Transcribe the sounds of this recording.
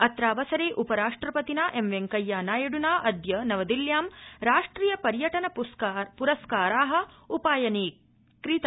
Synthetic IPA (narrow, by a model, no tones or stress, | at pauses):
ɐt̪ɾaːʋɐsɐɾeːʔupɐɾaːʂʈɾɐpɐt̪inaːʔemʋeŋkɐjːaːnaːjɐɽunaːʔɐd̪ʱjɐnɐʋɐd̪iljaːmɾaːʂʈɾiːjɐpɐɾjɐʈɐnɐpuɾɐskaːɾaːɦɐ̆ | upaːjɐniː | kɾit̪a